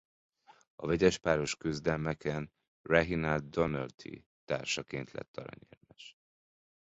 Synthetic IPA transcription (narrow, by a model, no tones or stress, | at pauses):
ɒvɛɟɛʃpaːɾo̞ʃkøzd̪ɛlmɛkɛn | rɛɦinald̪d̪onølt̪ʰḭ | t̪aːrʃɒkeːnt̪lɛ̰t̪ːɒɾɒ̰ɲermɛʃ